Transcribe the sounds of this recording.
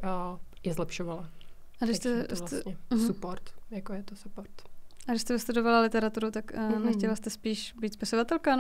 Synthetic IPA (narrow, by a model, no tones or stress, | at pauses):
jɛzlɛpʃovala | ʔadɪʃʃst̪ɛslɲɛmɦsupoɾt̪jakojɛt̪osupoɾt̪ʔaɡdɪʃst̪ɛvɪst̪udovalalɪt̪ɛɾat̪uɾut̪aknɛxcɛlast̪ɛspiːʃbiːt̪spɪsovat̪ɛlkan